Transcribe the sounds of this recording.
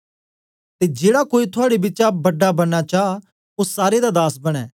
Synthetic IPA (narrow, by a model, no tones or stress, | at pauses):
t̪ed͡ʒeːɽakoːit̪ʰʊaːɽebɪt͡ʃabɐɖːabɐɽat͡ʃaː | osaːɾed̪ad̪aːsbɐɽ̃ɛː